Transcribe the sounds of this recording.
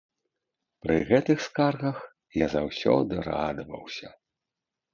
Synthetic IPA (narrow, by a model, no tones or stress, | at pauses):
pɾɨɣɛt̪ɨxskarɣɐx | jazawsʲɔ̰d̪ɨrad̪ɐvɐ̰wsʲɐ